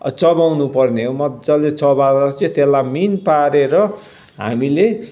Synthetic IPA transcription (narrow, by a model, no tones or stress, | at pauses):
t͡sʌbawnupʌrneɦomʌd̪d͡zalet͡sʌbaɾʌt͡sʌt̪elːaminpaɾeɾʌ | ɦa̰mile